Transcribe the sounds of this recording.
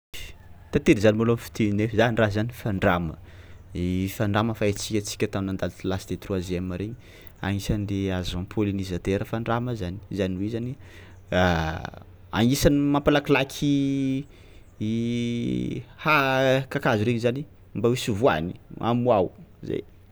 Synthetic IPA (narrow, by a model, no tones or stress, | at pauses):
t̪at̪eɾizanimolamfi̥t̪inefizanirazanifaɳɖ͡ʐamə̰ifaɳɖ͡ʐaməfaet͡sikʲət͡si̥kʲət̪aminand̪alt̪ilasd̪et̪ruaziamaɾeɲi | a̰ŋisand̪eazãmpʰolinizat̪eɾəfaɳɖ͡ʐaməzani̥zaniwezani | a | a̰ŋisanimampalaklakʲʰi | hakakazuɾeɲizani | mbawisuvua̰niʔa̰muawzḛj